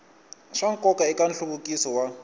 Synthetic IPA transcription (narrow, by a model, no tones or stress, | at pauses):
ʃaŋ̩kʼɔkʼaɪkʼan̩ɬubʊkʼisɔwa